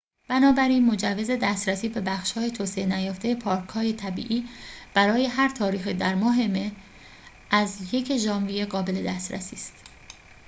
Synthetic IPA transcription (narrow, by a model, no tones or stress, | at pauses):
b̥ænɒːbæɾiːnmo̞d͡ʒævːe̞ze̞d̪æst̪ɾæsiːbe̞bæxʃhɒːjet̪ʰoːseenæjɒːft̪ejepʰɒːɾkʰhɒːje̞t̪ʰæbḭːʔiːb̥æɾɒːje̞ɦæɾt̪ʰɒːɾiːxid̪æɾmɒːɦe̞me̞ | ʔæzje̞cʰeʒɒːnvijeɣɒːbe̞le̞d̪æst̪ɾæ̰siːst̪